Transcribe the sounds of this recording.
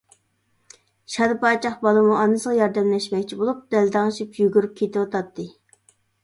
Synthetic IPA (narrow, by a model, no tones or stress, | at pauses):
ʃɑd̪ɨpɑt͡ʃʰɑχbɑlˠɨmuɑnːɨsəʁɑjɑɾd̪ɛmlɛʃmɛkʲt͡ʃʰibolˠup̚d̪ɛld̪ɑŋɨʃipjyɡʲyɾyp̚kʲʰet̪ʰɪwɑt̪ʰɑt̪ʰːɨ